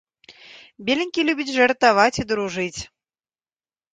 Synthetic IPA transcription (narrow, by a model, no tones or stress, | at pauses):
bʲelʲinʲkʲilʲubʲit͡sʲʐɐrt̪avat͡sʲid̪ɾuʐɨt͡sʲ